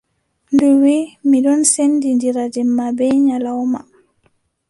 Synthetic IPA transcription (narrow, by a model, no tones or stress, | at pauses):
nduwimiɗɔnsenːdindiɾad͡ʒɛmːabɛɲalawma̰